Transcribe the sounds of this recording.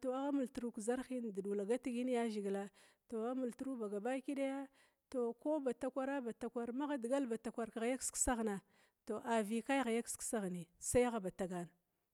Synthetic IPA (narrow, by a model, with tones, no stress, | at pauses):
to˨a˦ɣa˦mu˨ltu˨ɾu˦kza˦ɾxi˦n˨di˨du˨la˨ɡa˦ti˦ɡi˦n˦ja˦ʒi˨ɡla˦ | to˨a˦mu˨ltu˦ɾu˦ba˨ɡa˨ba˦ki˦ɗa˦ja˦ | to˨ko˦ba˨ta˦kʷa˦ɾa˦ba˨ta˨kʷa˦ɾma˦ɣa˦dɡa˦lba˨ta˨kʷa˨ɾkɣa˨ja˦ksksa˦ɣna˨ | to˨ʔa˨vi˨ka˦jɣa˨ja˦ksksa˦ɣni˨sa˦ja˦ɣa˦ba˨ta˨ɡa˨n˨